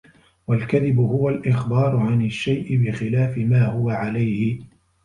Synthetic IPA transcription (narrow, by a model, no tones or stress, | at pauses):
walkaðɪbʊhʊwalʔɪxbɑːɾˤʊʕanaʃːajʔɪbɪxɪlaːfɪmaːhʊwaʕalajhɪ